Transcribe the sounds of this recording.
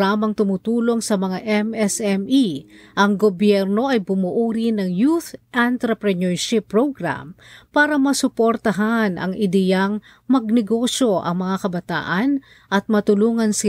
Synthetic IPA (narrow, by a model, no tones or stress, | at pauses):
aːmɐŋt̪ʊmut̪uːlo̞ŋsɐmɐŋaʔɛmɛsɛmiʔɐŋɡobjɛɾno̞ʔɐjbʊmʊʔuːɾinɐŋjuθʔant̪ɾɐpɾɛnɛɹʃɪpːɹoɡɾa̰mpaːɾɐmɐsʊpoɾt̪ɐɦanʔɐ̰ŋʔɪd̪ɛjaŋ | mɐɡ̚nɛɡo̞ʃo̞ʔɐ̰ŋmɐŋakɐbɐt̪a̰ːʔɐn | ʔɐt̪̚mɐt̪ʊluːŋɐnsɪ